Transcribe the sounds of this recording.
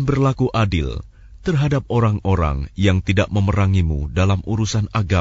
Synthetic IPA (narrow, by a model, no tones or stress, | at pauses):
nbərlakuʔadɪ̰l | t̪ərɦadap̚oɾaŋoɾa̰ŋjaŋt̪idaʔməməɾaŋimudalamʔuɾusanaɡa